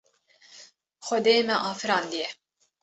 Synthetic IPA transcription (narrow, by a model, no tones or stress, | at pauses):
xɔd̪eːmɛʔɑːfɨɾɑːnd̪ijɛ